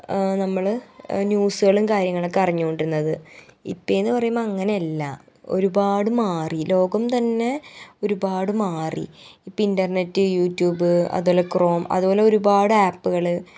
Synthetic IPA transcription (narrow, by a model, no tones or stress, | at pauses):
nɐmːɐɭnjuːsuɣɐɭumkaːɾjɐŋːɐɭokːɐriɲːuko̞ɳɖiɾunːɐðɨḭpːoenːɨpɐrɐjumɐŋːɐne̞ɐlːɐ̰ | o̞̰ɾubaːɽɨmaːrilo̞ːɡɐmt̪ɐnːe̞o̞ɾubaːɽɨmaːrḭipːoindɐrnetːɨjuːtjuːbɨɐ̰ðuboːlekro̞ːmɐ̰ðubo̞ːle̞o̞ɾubaːɽɨaːpːuɣɐɭɨ